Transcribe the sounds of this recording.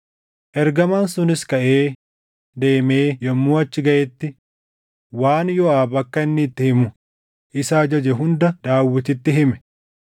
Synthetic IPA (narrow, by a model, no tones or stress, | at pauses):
ʔɛɾɡɐmaːnsʊnɪskɐʔe̞ː | d̪eːme̞ːjɐmːuːɐt͡ʃːɪɡɐʔɛt̪ːɪ | waːnjɔaːbɐkːɐɪnːɪːt̪ːɪhɪmʊ | ʔɪsaːd͡ʒɐd͡ʒɛɦʊnd̪ɐd̪̥aːwːɪt̪ɪt̪ːɪɦɪmɛ̥